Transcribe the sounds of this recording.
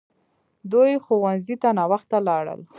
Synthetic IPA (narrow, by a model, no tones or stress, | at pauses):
d̪ujxowanzit̪anɑwaxt̪alɑɽə̰l